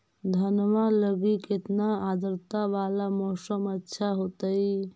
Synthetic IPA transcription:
d̪ʱənmaləɡiket̪naad̪əɾt̪aʋalamɔɦsəmətːʃʰaɦot̪əj

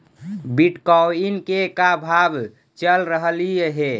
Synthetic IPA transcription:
biʈkɔinkekabʱab | t͡ʃəlɾəɦəlieɦe

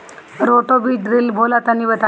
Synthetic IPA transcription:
ɾoʈobiːʈɾilbʱolat̪aniːʋət̪a

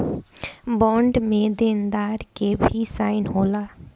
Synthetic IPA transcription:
bɔ̃ːɳɖmẽd̪eːnd̪aːɾkebʱisaːɪnɦoːlaː

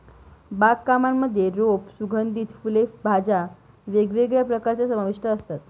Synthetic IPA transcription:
bakkːamamːəd̪ʱjeɾopsuɡʱənd̪ʱiːt̪fulefbʱad͡ʑa | ʋeɡʋeɡɭjapɾəkaɾt͡ɕjasəmaʋiʂʈʰəəst̪at̪

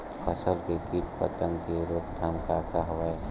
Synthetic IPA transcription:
pʰəsəlkekippə̰t̪ə̃ŋkeɾoːpd̪ʱamkakaɦʋa

